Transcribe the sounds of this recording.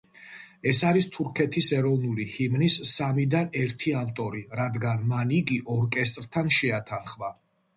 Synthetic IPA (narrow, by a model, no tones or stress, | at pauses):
ɛsaɾist̪ʰuɾkʰɛt̪ʰisɛɾɔvnulihimnisːamid̪anɛɾt̪ʰiavt̪ʼɔɾiɾad̪ɡanmaniɡiʔɔɾkʼɛst̪ʼɾt̪ʰanʃɛat̪ʰanχva